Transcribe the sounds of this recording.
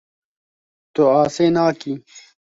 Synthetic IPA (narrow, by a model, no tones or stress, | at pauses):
t̪oaːseːnaːki